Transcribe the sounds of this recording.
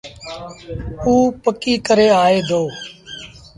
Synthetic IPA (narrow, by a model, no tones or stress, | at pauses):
uːpəkiːkəɾeːaːeːd̪ʱoː